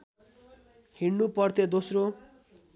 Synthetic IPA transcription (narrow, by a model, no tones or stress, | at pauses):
hiɽnupʌrt̪ʰed̪osro